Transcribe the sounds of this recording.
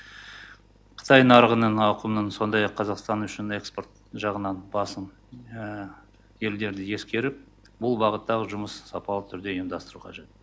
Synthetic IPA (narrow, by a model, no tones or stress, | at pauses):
qʰə̥t̪ɑjnɑɾʁənəɴɑqəmnəɴso̞nd̪ɑjɑqʰːɑzɑqst̪ɑnʏʃɪne̞kspo̞rt̪ | ʒɑʁənɑnbɑsəm | je̞ld̪e̞ɾd̪ɪje̞skʲe̞ɾɪp̚ | bʊlˠbɑʁət̪ːɑʁəʒʊməssɑpɑlˠət̪ʰʏɾd̪e̞imd̪ɑst̪əɾuqʰɑʒe̞t̪̚